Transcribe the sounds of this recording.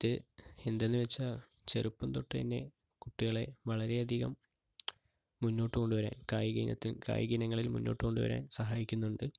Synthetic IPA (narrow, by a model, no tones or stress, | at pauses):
t̪ːɨend̪enːɨʋet͡ɕːɐ | t͡ɕe̞rupːumt̪oʈːɨɐ̰nːe̞̰ | kuʈːiɣɐɭe̞ʋɐɭɐɾe̞ɐd̪ʱiɣɐ̰m | unːo̞ːʈːɨko̞ɳɖuʋɐɾa̰ːnkaːjiɡinɐ̰t̪ːilka̰ːjiɡinɐŋːɐɭilmṵnːo̞ːʈːɨko̞ɳɖuʋɐ̰ɾa̰ːnsɐɦaːjikʲːunːuɳɖɨ